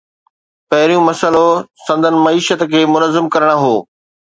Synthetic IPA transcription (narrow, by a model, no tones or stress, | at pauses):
pɐɦɪɾijũmɐsəlosɐ̃nd̪ʱənɪ̆mɐiːʃət̪kʰeːmʊnəzːɪmkɐɾəɽ̃aɦoː